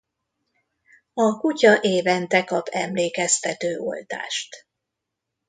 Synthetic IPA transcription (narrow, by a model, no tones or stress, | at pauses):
ɒkucɒʔeːvɛnt̪ɛkɒpʰɛmleːkɛst̪ɛt̪øːʔo̞̰lt̪a̰ːʃt̪